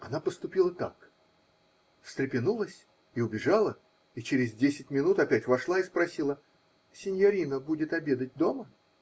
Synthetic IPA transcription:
ɐnapəst̪ʊpʲilˠət̪a̰k | st̪ɾʲɪpʲɪnulˠəsʲ | iʊbʲɪʐalˠə | it͡ɕɪɾʲɪzdʲesʲɪtʲmʲɪnut̪ɐpʲætʲvɐʂlˠaispɾɐsʲilˠə | sʲɪnʲjɐɾʲinəbudʲɪt̪ɐbʲe̞d̪ət̚ʲd̪o̞mə

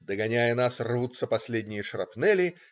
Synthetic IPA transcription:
d̪əɡɐnʲajənasrvut̪sːəpɐsʲlʲedʲnʲɪjəʂrɐpnɛlʲɪ

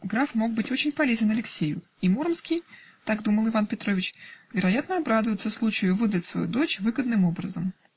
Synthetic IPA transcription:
ɡɾafmo̞ɡ̚bɨtʲo̞t͡ɕɪnʲpɐlʲezʲɪnɐlʲɪksʲejʊ̰ | imuɾəmskʲijt̪aɡd̪uməlˠɨvanpʲɪt̪ɾo̞vʲɪt͡ɕvʲɪɾɐjat̪nəɐbɾad̪ʊjʊt̪səslˠut͡ɕɪjʊvɨd̪ətʲsvɐ̰jṵd̪o̞t͡ɕvɨɡəd̪nɨmo̞bɾəzəm

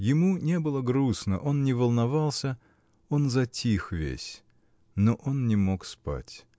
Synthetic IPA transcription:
jɪmunʲe̞bɨlˠəɡɾusnə̰ʔo̞nnʲɪvəlˠnɐvɑlˠsʲə | onzɐtʲixvʲḛsʲ | noʔo̞nnʲɪmokspa̰tʲ

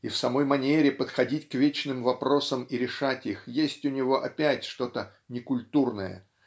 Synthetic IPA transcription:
ifsɐmo̞jmɐnʲeɾʲɪpət̪xɐdʲitʲkvʲet͡ɕnɨmvɐpɾo̞səmiɾʲɪʂatʲixjesʲtʲʊnʲɪvo̞ʔɐpʲætʲʂt̪o̞t̪ə | nʲɪkʊlʲt̪urnə̰jə̰

